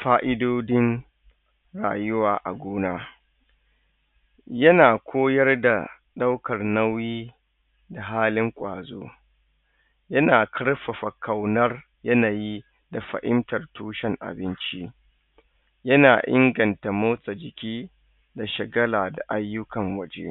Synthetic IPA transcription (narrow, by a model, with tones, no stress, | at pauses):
faː˦ʔɪ˦doː˦dɪ˦n | ɾa̰ː˨jʊ˦waː˨ʔa˨ɡʷuː˦naː˦ | jɐ˦naː˨kʷʰoː˦jɐ˦rda˨ | ɗa˦wkɐ˨rnɐ˦wjiː˦ | da˨ɦaː˦lɪ˦ŋkʷʼaː˨zoː˦ | jɐ˦naː˨kʰɐ˦ɽɸɐ˨ɸɐ˨kʰɐ˨wnɐ˦r | jɐ˦naː˨ji˦ | da˨ɸɐ̰˨ʔɪ˦mtɐ˨rtuː˦ʃɛ˨ŋʔa̰˨bɪ˦nt͡ʃi˦ | jɐ˦naː˨ʔɪ˦ŋɡɐ˨nta˨moː˦sʼa˨d͡ʒɪ˨kʲiː˦ | da˨ʃɪ˨ɡɐ˦laː˨da˨ʔa˦jːʊ˦kɐ˨ŋwɐ˦d͡ʒḛ˦